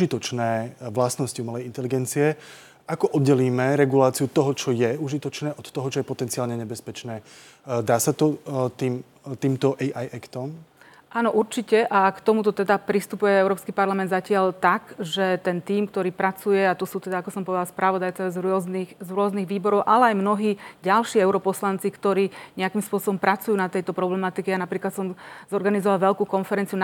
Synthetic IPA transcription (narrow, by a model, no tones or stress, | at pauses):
uʒit̪ɔt͡ʃnɛːʋlasnɔsciumɛlɛjint̪ɛliɡɛnt͡siɛ | akɔʔɔd̪ɟɛliːmɛɾɛɡulaːt͡siut̪ɔɦɔt͡ʃɔjɛuʒit̪ɔt͡ʃnɛːʔɔt̪t̪ːɔɦɔt͡ʃɔjɛpɔt̪ɛnt͡siaːlɲɛɲɛbɛspɛt͡ʃnɛː | d̪aːsat̪ɔt̪iːm | t̪iːmt̪ɔʔɛjʔajɛkt̪ɔm | ʔaːnɔʔuɾt͡ʃicɛʔakt̪ɔmut̪ɔt̪ɛd̪apɾist̪upujɛɛʊɾɔːpskipaɾlamɛnd̪zacɪaʎt̪akʒɛt̪ɛnt̪iːmkt̪ɔɾiːpɾat͡sujɛat̪ɔsuːt̪ɛd̪aakɔsɔmpɔʋɛd̪alspɾʔaʋɔd̪ajt͡sazɾɔznixzɾʊɔzniɣʋiːbɔɾɔʊʔalɛajmnɔɦiːɟalʃiːɛʊɾɔpɔslant͡sikt̪ɔɾiːɲɛakimspʊɔsɔbɔmpɾat͡sujuːnat̪ɛjt̪ɔpɾɔblɛmat̪ikɛjanapɾiːklat̪sɔmzɔɾɡanizɔʋalʋɛʎkuːkɔnfɛɾɛnt͡siun